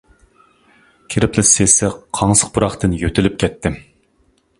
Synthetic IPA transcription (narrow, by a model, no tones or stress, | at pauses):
kʲʰeɾɪpʰlɪsesɪqʰɑŋsə̥q̚buɾɑχt̪ɨnjøt̪ʰɪlyp̚kʲʰɛt̪ʰːɪ